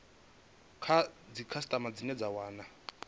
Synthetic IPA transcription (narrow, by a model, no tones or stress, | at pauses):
kʰad͡zikʰasi̥tʼamad͡zinɛd͡zawaːna